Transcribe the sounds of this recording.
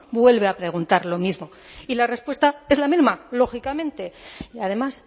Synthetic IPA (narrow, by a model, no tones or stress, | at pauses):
bwe̞lβeapɾe̞ɣ̞unt̪aɾlo̞mizmo̞ | ilare̞spwe̞st̪ae̞zlamizmalo̞xikamẽ̞nt̪e̞að̞e̞mas